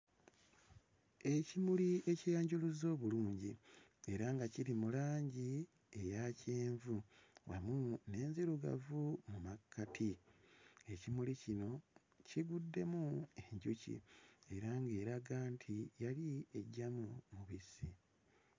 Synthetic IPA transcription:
e̞cimulie̞cijaːɲɟuluzo̞ːβuluːɲɟi | e̞ɾaŋɡaciɾimulaːɲɟi | e̞jaceːɱvuwa̰mune̞ːnziɾuɡa̰vumumakʰːatʰi | e̞cimulicino̞ | ciɡudːe̞mue̞ɲɟucḭe̞ɾaŋɡe̞ːɾaɡaːntʰijalie̞ɟːamumuβisi

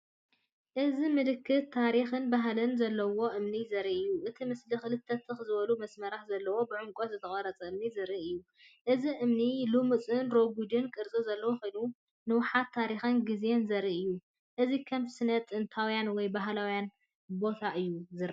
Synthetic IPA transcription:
ʔɨzimɨlɨkʰːɨt̚t̪ʰːaɾixɨnbaɦlɨnzɐlːɐwo̞ʔɨmnizɐɾiʔɨjːuʔɨt̪ʰimɨslixɨlɨt̪ʰːɐt̪ʰixɨzɨβɐlumɐsmɐɾaħzɐlːɐwo̞bɨʕʊŋkʼot̪zɨt̪ʰɐχʼɐɾɐt͡sʼɐɨmnizɨɾiʔɨjːu | ʔɨziʔɨmnilumɨt͡sʼɨnɾo̞ɡud̪ɨnkʼɨɾt͡sʼozɐlːɐwoxujnu | nɨwʊħat̪ʰːaɾixɨnɡizjenzɐɾiʔɨjːu | ʔɨzikʰɐmsɨnɐt̪ʼːɨnt̪ʰawjanwɔjbaɦlawjan | bo̞t̪ʰaʔɨjːuzɨɾ

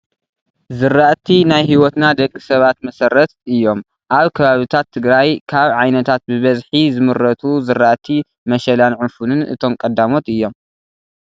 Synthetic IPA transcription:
zɨɾːaʔt̪ʰinajɦiwɔt̪nad̪ɐkʼːisɐβat̪mɐsɐɾːɐt̪̚ɨjːo̞m | ʔaβkʰɐβaβɨt̪ʰat̪ʰːɨɡɾajkʰaβʕajnɐt̪ʰat̪̚bɨβɐzħizɨmɨɾːɐt̪ʰuzɨɾːaʔt̪ʰi | mɐʃɐlanʕʊfunɨnʔɨ̰t̪ʰo̞mkʼɐd̪ːamo̞t̪ɨjːo̞m

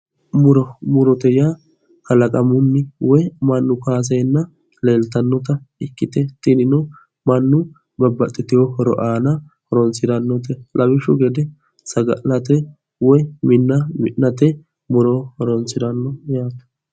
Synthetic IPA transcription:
mʊɾɔmʊɾɔt̪ɛja | kɐlɐkʼɐmʊnːɪwɔjmɐnːʊkaːs̬ɛjnːɐ | leːlt̪ɐnːɔt̪ɐɪkːɪt̪ɛt̪ɪnɪnɔ | mɐnːʊ | bɐbːɐt̪ʼːɪt̪ɪjɔhɔɾɔ̰ʔaːnɐ | hɔɾɔnsɪd̪ɐnːɔt̪̬ɛlʔɐbɪʃʊɡɛd̪ɛ | sɐɡɐʔlɐt̪ɛ | wɔjmɪnːɐmɪ̰ʔnɐt̪ɛ | mʊɾɔhɔɾɔnsɪd̪ɐnːɔjaːt̪ɐ̥

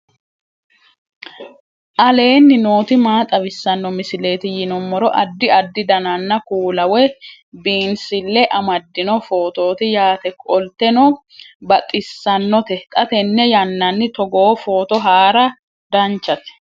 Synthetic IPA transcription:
ʔɐle̞ːnːɪno̞ːt̪ɪmaːt̪ʼɐbɪsːɐnːɔmɪsɪle̞ːt̪ɪjɪnɔmːɔɾɔʔɐd̪ːɪɐd̪ːɪd̪ɐnɐnːɐkuːlɐwɛ | biːnsɪlːɛʔɐmɐd̪ːɪnɔfo̞ːt̪o̞ːt̪ɪjaːt̪ɛkʼɔlt̪ɛnɔ | bɐt̪ʼːɪsːɐnːɔt̪ɛt̪ʼɐt̪ɛnːɛjɐnːɐnːɪt̪ɔɡoːfo̞ːt̪ɔɦaːɾɐ | d̪ɐnt͡ʃːɐt̪ɛ̥

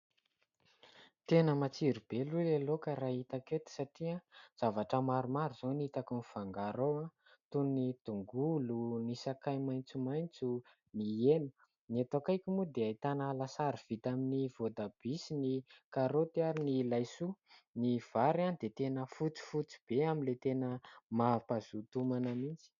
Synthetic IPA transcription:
t̪enəmat͡siɾib̥elulelokaɾait̪aket̪i̥saʈ͡ʂiaz̥avaʈ͡ʂəmaɾumaɾuz̥onit̪akuniv̥aŋɡaɾoa | t̪unnit̪uŋɡulunisakajmajnt͡sumajnt͡su | nienə̥ | niat̪okajkumud̪eajt̪analasaɾiv̥it̪aminiv̥od̪ab̥isinikaɾot̪iaɾinilajsuniv̥aɾanid̪et̪enəfut͡si̥fut͡si̥b̥eaminlet̪enəmapazut̪umanəmint͡si̥

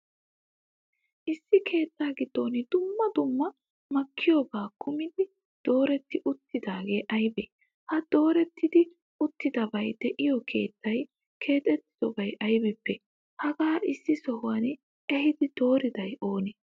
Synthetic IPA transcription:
ʔɪsːɪkʰe̞ːt̪ːaːɡɪd̪̥ːo̞ːnd̪ʊmːɐd̪ʊmːɐ | mɐkːɪjoːbaːkʰʊmɪd̪ɪ | d̪̥o̞ːɾɛt̪ːɪʔʊt̪ːɪd̪aːɡe̞ːʔɐjbɛ | hɐd̪̥o̞ːɾɛt̪ːɪd̪ɪ | ʊt̪ːɪd̪ɐbɐjd̪ɛʔɪjɔkʰe̞̰ːt̪ːɐj | kʰe̞ːt̪ʼɛt̪ːɪ̥z̥ɔbɐjɐjbɛpːɛ | hɐɡaːʔɪsːɪsɔhʊwɐn | ʔɛhɪd̪ɪd̪̥o̞ːɾɪd̪ɐjʔo̞ːnɛ

